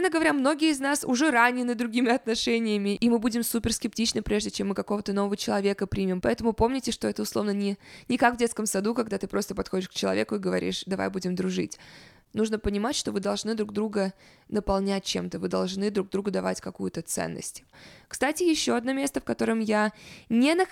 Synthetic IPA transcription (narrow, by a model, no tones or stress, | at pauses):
ɛnəɡəvɐɾʲamno̞ɡʲɪjəɪznasʊ̰ʐɛɾanʲːɪnːɨd̪ɾʊɡʲimʲɪɐt̪nɐʂɛnʲɪjəmʲɪʔimɨbudʲɪmsupʲɪrskʲɪp̚tʲit͡ɕnɨpɾʲe̞ʐdʲɪt͡ɕemːɨkɐko̞vət̪əno̞vəvət͡ɕɪlˠɐvʲe̞kəpɾʲimʲɪmpɐɛt̪əmʊpo̞mnʲɪtʲɪʂt̪o̞ɛt̪əʊslˠo̞vnənʲɪnʲɪkakvdʲeskəmsɐd̪ukɐɡd̪at̪ɨpɾʔo̞st̪əpɐt̪xo̞dʲɪʂkt͡ɕɪlˠɐ̰vʲekʊɪɡəvɐɾʲḭʂd̪ɐva̰jbudʲɪmd̪ɾʊʐɨ̰tʲ | nuʐnəpənʲɪmatʲʂt̪o̞vɨd̪ɐlˠʐnɨd̪ɾuɡ̚d̪ɾuɡə | nəpɐlˠnʲæt̚ʲt͡ɕemt̪əvɨd̪ɐ̰lˠʐnɨd̪ɾuɡ̚d̪ɾuɡʊd̪ɐva̰tʲkɐkujʊt̪ət̪sɛ̰nːə̰sʲtʲkst̪atʲɪjɪɕːo̞ɐd̪no̞mʲe̞st̪əfkɐt̪o̞ɾəmjanʲenə